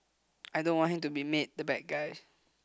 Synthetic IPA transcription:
ʔajdõnwɔ̃nhĩmtubimet̚dəbɛt̚ɡaj

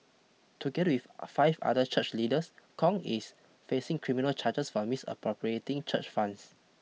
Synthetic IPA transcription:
tʰuɡɛdəwiffaɪva̰dət͡ʃʰət͡ʃlidəskʰɔ̃ŋis | fesĩŋkʰɹiminəlt͡ʃʰad͡ʒəsfɔmisə̰pɹɔpɹietĩŋt͡ʃə̰t͡ʃfãns

